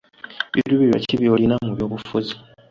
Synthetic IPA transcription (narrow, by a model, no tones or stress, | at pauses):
βiduβiβja̰ciβjoːlinamuβjo̞ːβufuzi